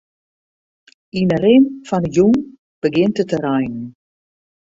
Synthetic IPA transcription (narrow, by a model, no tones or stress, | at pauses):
inəɾɪnfɔnəjuŋ | b̥əɡɪntətəɾajnən